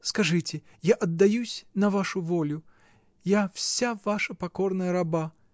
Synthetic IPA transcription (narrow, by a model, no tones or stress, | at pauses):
skaʐɨt͡sʲɛ | jaʔɐd̪ːajusʲnɐvaʂuvɔlʲʊ | jawsʲavaʂɐpakɔrnɐjɐɾaba